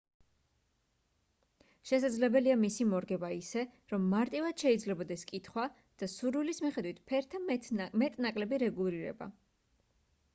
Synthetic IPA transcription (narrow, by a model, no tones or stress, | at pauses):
ʃɛsad̪zlɛbɛliamisimɔɾɡɛbaisɛɾɔmːaɾt̪ʼivad̪̥ʃɛid̪zlɛbɔd̪ɛskʼit̪ʰχwa | d̪̥asuɾwilismiχɛd̪wit̪ʰpʰɛɾt̪ʰamɛt̪ʼnakʼlɛbiɾɛɡulˠiɾɛ̰ba̰